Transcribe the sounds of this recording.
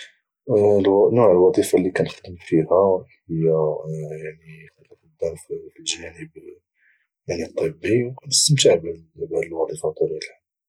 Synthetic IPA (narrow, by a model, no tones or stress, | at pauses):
nuʕəlwɑd̪ˤifalːikænəxd̪əmfihæhəjːæjaʕnixæləfəd̪ːæɾfflʒænəb | jaʕnit̪ˤːəbːiwkænəst̪əmt̪aʕbbæd̪əlwɑd̪ˤifɑt̪ˤuɾilħa